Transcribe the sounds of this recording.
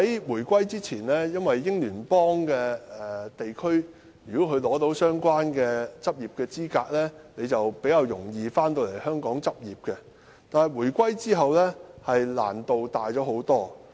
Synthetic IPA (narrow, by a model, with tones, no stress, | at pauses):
hɐ˨˥jwuː˨˩jkʷɐ˥jt͡siː˥t͡sʰiː˨˩nlɛː˥jɐ˥nwɐ˨jːɪ˥ŋlyː˨˩npɔː˥ŋkɛː˧ɛ˨t̪e˨jkʰɵ˥ɥ | jyː˨˩kɔ˨˥kʰɵ˨˧lɔː˨˥t̪o˨˥wsœː˥ŋkʷaː˥nkɛː˧t͡sɐ˥p̚jiː˨p̚kɛː˧t͡siː˥kaː˧k̚lɛː˥ne˨˧jt͡sɐ˨wpe˨˥jkaː˧wjʊ˨˩ŋjiː˧faː˥nt̪o˧wle˨˩jhœː˥ŋkɔː˨˥ŋt͡sɐ˥p̚jiː˨p̚kɛ˧ | t̪aː˨nhɐ˨jwuː˨˩jkʷwɐ˥jt͡siː˥ɦɐ˨wlɛː˥hɐ˨jla̰ː˨˩nt̪o˨wt̪aː˨jt͡ɕɔː˨˥ho˨˥wt̪ɔː˥